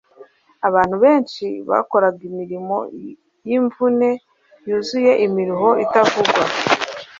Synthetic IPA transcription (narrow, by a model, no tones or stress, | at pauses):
aβaːn̥uβe̞ːnʃiβa̰ko̞ɾaɡimiɾimo̞̰ | jiɱvune̞ | juːzuje̞ʔimiɾuɦo̞ʔitavuɡwa̰